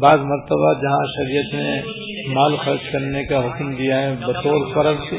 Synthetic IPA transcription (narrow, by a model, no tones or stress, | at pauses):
baːzmɐɾt̪əbad͡ʒɐɦãʃɐɾijət̪ne | maːlxɐɾd͡ʒkɐɾnekaɦʊkmd̪ijaɦɛbɐt̪oːɾpɐɾəlt